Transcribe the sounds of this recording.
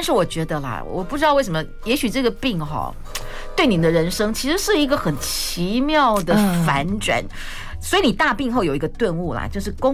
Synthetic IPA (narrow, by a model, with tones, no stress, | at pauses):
ta˥˧nʂɻ̩˥˩wɔ˨˩t͡ɕɥɛ˧˥d̪ə˧lɐ̰˨˩˨wɔ̰˨˩pu˥˩ʈ͡ʂɻ̩˥t̪ɑ˥˧we˥˩ɪʂə˧˥mə˧jɛ˧˥ɕy˨˩ʈ͡ʂɤ˥˩ɡə˩pi˥˩ŋxɑ̰˨˩ | t̪we˥˩ɪni˨˩d̪ə˦ɻə˧˥nʂɤ˥ŋt͡ɕʰi˧˥ʂɻ̩˧˥ʂɻ̩˥˩i˧˥ɡə˧xə˨˩nt͡ɕʰi˧˥mjɑ˥˩ʊd̪ə˩fa˧˥nʈ͡ʂwa̰˨˩˦n | swɔ˧˥i˨˧˥ni˨˩t̪a˥˧pi˥˧ŋxo˥˩ʊjo˨˩ʊi˧˥ɡə˧t̪wə˥˧nu˥˩lɐ̰˩t͡ɕjo˥˧ʊʂ̬ɻ̩˥˩kʊ˥